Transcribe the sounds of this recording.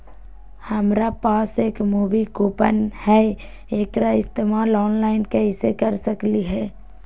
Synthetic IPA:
həmɾapaːseːkmuːʋikoːpə̰nhɛ | eːkɾaɪst̪emalɔːnlaːɪnkɛɦisekəɾsəkliɦɛː

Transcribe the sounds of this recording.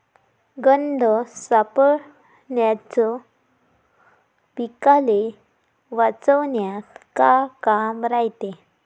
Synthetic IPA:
ɡənd̪ʱəsapə | ɳjat͡sɔ | pikale | ʋat͡səʋnjaskakamɾaɦit̪e

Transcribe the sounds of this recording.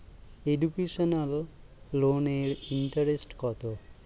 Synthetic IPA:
eɖukesɔnalː | oneɽiɳʈəɾesʈkɔt̪ɔ

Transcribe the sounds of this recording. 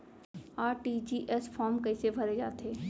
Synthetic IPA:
aːʈid͡ʒiːʔɛsfʰɔːɾmkɐɪsebʱɐɾed͡ʒaːt̪ʰeː

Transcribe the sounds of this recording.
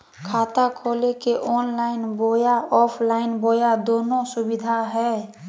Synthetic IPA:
kʰaːt̪akʰolekeʔɔnlaɪnbojaɔːpʰlaɪnbojad̪oːnosubid̪ʱaɦɛ

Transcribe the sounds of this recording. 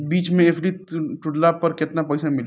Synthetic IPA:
biːt͡ʃmẽeːpʰɖiʈʊɖlapɐɾkɪt̪napɐːɪsamɪl

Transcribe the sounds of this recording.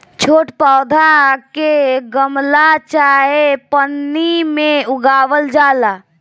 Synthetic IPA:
t͡ʃʰoːʈpaːd̪ʱakeɡəmlat͡ʃaːɦepənːimẽʊɡaːʋəld͡ʒaːla

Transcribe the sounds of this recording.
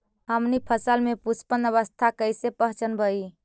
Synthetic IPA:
ɦəmnipʰəsəlmepuspənəβəst̪ʰakəjsepəɦt͡ʃənbəi

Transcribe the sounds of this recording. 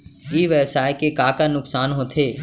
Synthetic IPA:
iːʋɛsaːjkekaːkaːnʊksaːnɦõt̪ʰeː

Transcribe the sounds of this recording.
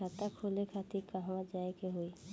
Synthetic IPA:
at̪akʰolekʰat̪ikaɦwad͡ʒaekeɦoi

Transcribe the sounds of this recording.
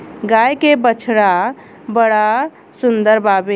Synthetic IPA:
ɡajkebət͡ʃʰɽa | bəɽa | sund̪əɾbabe

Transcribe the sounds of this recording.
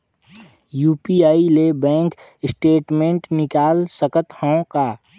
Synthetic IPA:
juːpiaːilebɛ̃ːŋk | ɪsʈeːʈmẽɳʈnɪkaːlsəkət̪həõkaː

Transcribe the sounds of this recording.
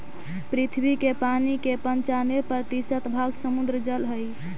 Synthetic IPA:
pɾit̪ʰbikepanikepənt͡ʃanepɾət̪isət̪bʱaɡsəmud̪ɾəd͡ʒəlɦəj

